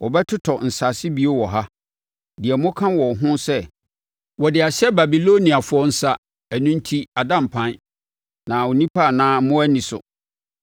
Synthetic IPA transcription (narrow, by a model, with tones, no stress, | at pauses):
wɔ˨bɛ˦tʰʊ˦tʰɔ˨n̩˨sa˨sɪ˦bi˦o˦wɔ˨ɦa˦ | di˨ɛ˨mʊ̃˦kʰã˦wɔ˨ɦʊ̃˦sɛ˦ | wɔ˨dɪ˨a˨ɕɛ˦ba˨bi˨lo˦nĩ˨a˨fʊ˦ɔ˦n̩˦sa˦ | æ˨nʊ̃˦n̩˦tʰi˦a˨dã˦˨m̩˨pʰã˦n˦ | nã˨o˨nĩ˦pʰa˦˨nãː˦mʊ̃˦æ˦nĩ˨sʊ̰˨